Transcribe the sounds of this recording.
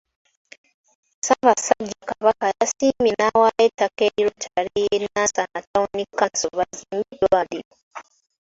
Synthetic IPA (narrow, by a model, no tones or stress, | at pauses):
saβasaɟːakaβakajasiːmenawajetakeiɾotʰaɾejenasanataunikːansoβaziːmbidoaliɾo